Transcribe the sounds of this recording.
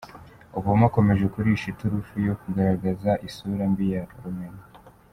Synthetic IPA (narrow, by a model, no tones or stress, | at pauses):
uβumako̞me̞ʒe̞kuɾiʃituɾufujo̞kuɡaɾaɡazaʔisuɾambijaɾumena